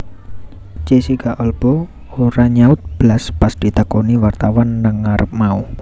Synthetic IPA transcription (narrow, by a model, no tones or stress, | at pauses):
t͡ʃesiɡaʔɔlb̥ɔ | oɾaɲaʊt̪̚b̥laspasd̪̥i̤t̪əkoniwart̪awanːəŋːaɾʔəp̚mau